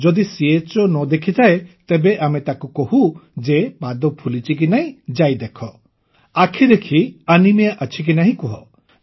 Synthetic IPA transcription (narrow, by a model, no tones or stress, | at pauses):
d͡ʒɔd̪isiet͡ʃonɔd̪ekʰit̪ʰaet̪ebeʔamet̪akukoɦud͡ʒebad̪ɔpʰulit͡ʃik̬inaɦĩd͡ʒajd̪ekʰɔ | akʰid̪ekʰianimiaʔət͡ʃʰik̬inaɦĩkuɦɔ̰